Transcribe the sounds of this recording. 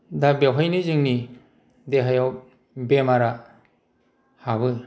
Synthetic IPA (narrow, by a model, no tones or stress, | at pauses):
dabewɦajnɯzɯŋni | deɦajaw | bemaɾa | haβɯ